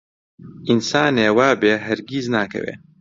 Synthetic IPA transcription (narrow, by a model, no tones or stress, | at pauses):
ʔinsaːneːwaːbeːɦɐɾɡiznaːkʰɐ̰wḛː